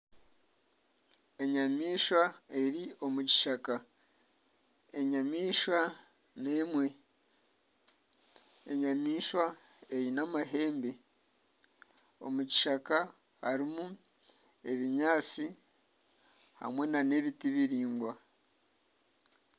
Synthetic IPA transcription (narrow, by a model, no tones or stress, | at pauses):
e̞ɲamiːʃwae̞ɾio̞muci̥ʃaka | e̞ɲamiːʃwa | ne̞mwe̞ | eɲamiːʃwae̞ɾinamaɦe̞ːmbe̞ | o̞̰muci̥ʃaka | ha̰ɾimu | e̞βiɲaːt͡si | ha̰mwe̞nane̞βitiβiɾiːŋɡwa